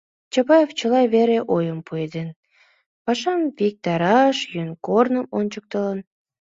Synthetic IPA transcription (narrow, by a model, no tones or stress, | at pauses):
t͡ɕɑpɑjeft͡ɕəlɑjβeɾeʔojəmpued̪en | pɑʃɑmvik̚t̪ɑɾɑʃjønkornəmonʲt͡ɕək̚t̪ələn